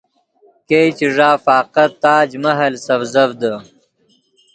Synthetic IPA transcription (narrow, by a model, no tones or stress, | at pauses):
kejt͡ɕiʐaːfaːqɐt̪aːd͡ʑmɐɦɐlsɐvzɐvd̪ə